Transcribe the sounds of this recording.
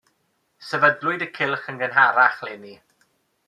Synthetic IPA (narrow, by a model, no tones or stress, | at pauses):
sɛvədlʊɨdəkʰɪlˠχənɡənɦaɾaχlɛni